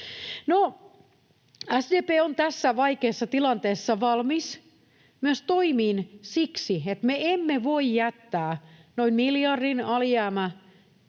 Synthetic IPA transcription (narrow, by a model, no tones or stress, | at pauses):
no | æsdeːpeːont̪æsːæʋɑikeːsːɑt̪ilɑnt̪eːsːɑʋɑlmis | myøst̪oimiːnsiksiet̪meemːeʋoijjæt̪ːæːnoinmiljɑrdinɑljæːmæ